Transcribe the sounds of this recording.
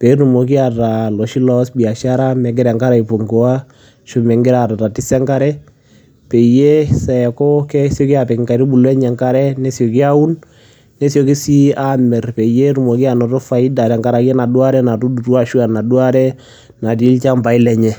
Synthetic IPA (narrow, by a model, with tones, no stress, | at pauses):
pɛ˨˦ɾu˨mo˨k̬i˦a˨ta˨lɔ˨ʃi˦lɔ˦sbi˨a˨ʃa˦ɾa˦mɛ˨ɡ̬ɛ˦ɾɛ˨ŋka˦ɾa˨i˨po˨ŋɡɔ˨wa˦ | ʃu˨˦mɛ˨ŋɡɪ˦ɾa˨ta˨ta˨ti˦sɛ˦ŋka˦ɾɛ˦ | pɛ˨je˦sa˨ɛ˨kɔ˦kɛ˦sɔ˦ki˦a˨pɛ˨kŋka˨ɾi˦bu˨lwɛ˦ɲɛ˨ŋka˦ɾɛ˦nɛ˦sjɔ˨ki˦a˦u˦n | nɛ˦sjɔ˨ki˦si˦a˦mɛ˨rpɛ˨je˦ɾu˨mo˨ki˦a˨nɔ˨tɔ˦fa˨i˦da˨tɛ˨ŋɡa˦ɾa˨kɛ˦na˨dwa˦ɾɛ˦na˨tu˦du˨twa˦ʃu˦a˨na˨dwa˦ɾɛ˦ | na˨ti˦lt͡ʃa˦mba˨i˦lɛ˨ɲɛ˨